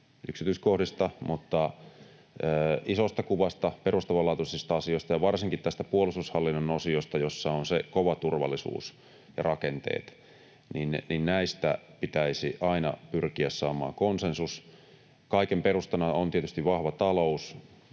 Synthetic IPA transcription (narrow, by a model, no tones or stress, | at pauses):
ʔyksit̪yːskohdist̪ɑmut̪ːɑ | əːisost̪ɑkuʋɑst̪ɑperust̪ɑʋɑlːɑːt̪usist̪ɑɑsiost̪ɑjɑʋɑrsiŋkit̪t̪æst̪æpuolust̪ushɑlːinːɑnosiost̪ɑjosːɑonsekoʋɑt̪urʋɑ̰lːˑisṵːs | jɑ̰rɑkent̪ḛːt̪ | ninninnæist̪æ̰pit̪æisiʔɑinɑ̰pyrkiæssɑːmɑ̰ːkonsensus | kɑikemperust̪ɑnɑont̪iet̪yst̪iʋʋɑhʋɑt̪ɑlous